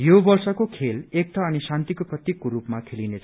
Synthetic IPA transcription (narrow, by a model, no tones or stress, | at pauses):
jobʌrsʌkokʰelek̚t̪ʰʌːnisant̪ikoprʌt̪jikːoɾupmakʰelinet͡sʰ